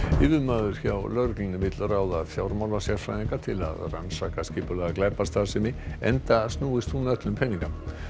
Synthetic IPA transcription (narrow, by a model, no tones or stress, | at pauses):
ɪːvʏðmaːðʏɾ̥çawlœɾklinvɪt̪lraːwðaðfjawɾmawlvasjɛɾ̥fɾajiŋkat̪ʰɪla̰ðra̰nsakascɪːpʏlɛɣaklɛpast̪aðsɛmɪɛ̰nt̪ast̪nuːɪst̪ʰunœt̪lʏmpʰɛniŋka